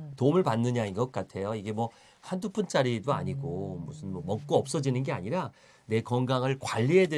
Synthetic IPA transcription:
tomɯɭpanːɯɲainɡʌk̚k͈atʰe̞joiɡe̞mwʌ | handupʰɯnt͡ɕ͈aɾidoa̰ɲiɡomusʰɯnmʌmʌk̚k͈oʌp̚s͈ʌd͡ʑinɯnɡe̞a̰ɲiɾa | ne̞kʌŋɡaŋɯɭkwaʎːiedwe

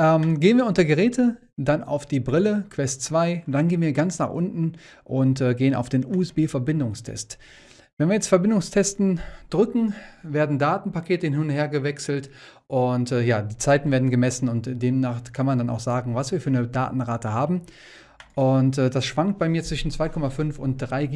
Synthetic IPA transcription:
ʔɛːmɡeːənviɐʊntɐɡəʁɛːtʰə | dana̰ʊfd̥iːbʁɪləkʰv̥ɛstt͡sv̥aɪd̥anɡeːənviːɐɡant͡snaːχʔʊ̰ntn̩ʔʊntɛːɡeːəna̰ʊfd̥eːnuːɛsb̥eːfɛɐbɪndʊŋstʰɛ̰st | vɛnviɐjɛt͡stfɛɐbɪndʊŋstʰɛstn̩d̥ʁʏkŋ̩veːɐdn̩daːtn̩pakʰeːtəhɪnhɪnʊntheːɐɡəvɛksl̩t | ʔʊntɛːjaːdiːt͡saɪtn̩veːɐdn̩ɡəmɛsn̩ʊntd̥eːmnaːχkʰanmandana̰ʊxz̥aːɡŋ̩vasv̥iːɐfyːɐnəda̰ːtn̩ʁaːtəhaːbm̩ | ʔʊntɛːdasʃv̥aŋkt̚b̥aɪmiːɐt͡sv̥ɪʃn̩t͡sv̥aɪkʰɔmafʏnfʊnt̚d̥ʁaɪ

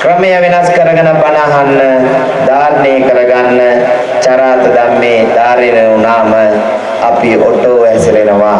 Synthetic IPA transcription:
kɾəmejaʋenaskəɾəɡɐnɐpːanəaɦanːə | d̪aːɾnejkəɾəɡanːə | t͡ʃaɾaːt̪əd̪amːeːd̪aːɾeneunaːmə | apiʔoʈoːʋɛsiɾenəʋa

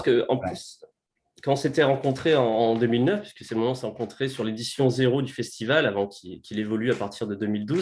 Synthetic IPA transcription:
skəɑ̃plys | kɑ̃set̪ɛʁɑ̃kɔ̃t̪χeɑ̃ːd̪ømilnœfpɥi̥skəsɛmɔmɑ̃sɛʁɑ̃kɔ̃t̪χesyʁled̪isjɔ̃zeʁod̪yfɛst̪ivalavɑ̃kʲikʲilevɔlyapaʁt̪ʰiʁd̪əd̪ømild̪uz

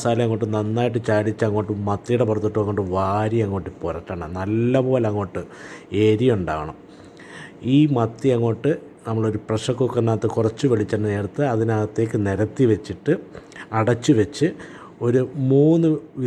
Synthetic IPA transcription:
saːliɐŋːo̞ːʈːɨnɐnːaːjiʈːɨt͡ɕaːɽit͡ɕːɐŋːo̞ːʈːɨmɐt̪ːijuɽepurɐt̪ːiʈːɨɐŋːoːʈːɨʋaːɾijɐŋːo̞ːʈːɨporɐʈːaːɳɐnɐlːɐpo̞ːlɐŋːo̞ːʈːɨe̞ːɾijuɳɖa̰ːʋɐɳɐ̰m | iːmɐt̪ːiɐŋːo̞ːʈːɨ | nɐmːɐɭo̞ɾuprɐʂɐkːukːɐnːaːt̪ːɨkurɐt͡ɕːuʋeɭit͡ɕːɐnːɨne̞ːɽut̪ːɨɐðinaːt̪ːe̞ːkːɨneɾɐt̪ːiʋet͡ɕːiʈːɨɐɽɐt͡ɕːuʋet͡ɕːɨ | o̞ɾumuːnːɨʋi

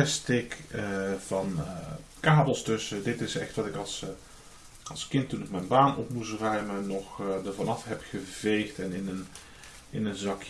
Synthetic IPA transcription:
ɛstɪkəvɑnkaːbəl̩ˠstɵsədɪtɪsɛ̰xtʋɑtɪkɑlˠs | ɑlˠskɪntːunɪkmɛjnbaːnʔɔ̰pmustrœɥmənɔχdəɹvɑnɑfɦɛpχəvejxtɛnɪnən | ɪnənzɑkj

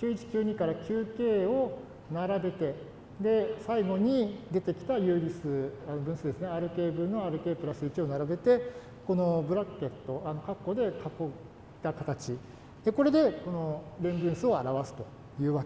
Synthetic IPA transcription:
kʲɨːit͡ɕi̥kʲɨːɲ̟ikaɾakʲɨːke̞ːo̞ | naɾabe̞t̪e̞ | d̪e̞saiɡo̞ɲ̟id̪e̞t̪e̞kʲi̥t̪ajɯ̟ːɾʲisɨanobɯ̟̃ɰ̃sɨd̪e̞sɨneaɾɯ̟ke̞ːbɯ̟nːo̞aɾɯ̟ke̞ːpɯ̟ɾasɨit͡ɕio̞naɾabe̞t̪e̞ | ko̞no̞bɯ̟ɾakːe̞t̪ːo̞ano̞kakːo̞d̪e̞kakːo̞̥ | t̪akat̪at͡ɕi | d̪̥e̞ko̞ɾe̞d̪e̞ko̞no̞ɾẽ̞mbɯ̟̃ɰ̃sɨo̞aɾaβasɨ̥t̪o̞̥ | jɯ̟ːβak

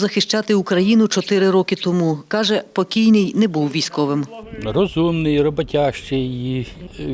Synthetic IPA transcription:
zɐxɪʃt͡ʃɑt̪ɪukɾɐjinʊt͡ʃɔt̪ɪɾɪɾɔkɪt̪ɔmukɑʒɛpɔkʲijnɪjnɛbuwʋʲijsʲkɔʋɪmrɔzumnɪjrɔbɔtʲaʃt͡ʃɪji

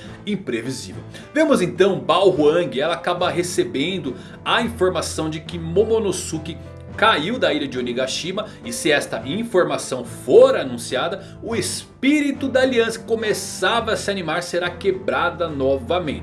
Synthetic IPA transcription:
ĩpɾevizḭvḛw | vẽmʊzẽt̪ɐ̃w̃bawhʊɐ̃ŋɡɪɛlɐakabɐɦesebẽnd̪ʊ | ɐĩfoɾmasɐ̃w̃d͡ʒɪkɪmõmõnosukɪ | kaiwd̪ɐiʎɐd͡ʒɪoliɡaʃimɐ | ɪsɪɛst̪ɐʔĩfoɾmasɐ̃w̃foɾɐanũsiad̪ɐ | ʊespiɾit̪ʊd̪ɐːliɐ̃sɐ̥kõmesavɐːsɪanimaɾseɾakebɾad̪ɐnɔvɐmẽnt͡ʃɪ̥

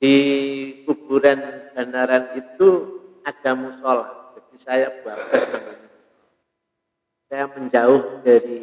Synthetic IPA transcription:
d̥ikubuɾanb̥anaɾanit̪uad̥amusolat̪̚d͡ʒad̚isajabuabat̪̚namani | sajaməɲd͡ʒaʊhdaɾi

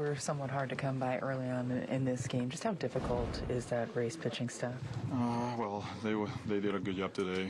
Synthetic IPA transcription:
wɪɹsʌ̃mwʌt̚ɦɑɹd̚tɨkʰʌ̃mbaɪʔɜ˞lˠiə̃nɪ̰̃nðɪsɡ̥ẽɪ̃md͡ʒʌsthaʊdɪfɨkʰl̩ˠtʰɪzðɨt̚ɹeɪspʰɪt͡ʃɪ̃ŋstʌfʌwɛlˠðeɪwəðeɪdɪɾɨɡʊdjɛp̚tʰɨdeɪ

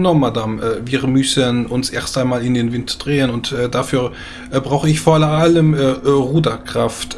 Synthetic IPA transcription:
nɔmadamɛviːʁmʏsənʔʊnsʔeːɐstʔaɪnmaːlɪndeːnvɪntd̥ʁeːənʊntʔɛːdafyːɐ | ʔɛbʁaʊxəɪçfoːɐʔaləmɛʁuːdɐkʁ̥aft

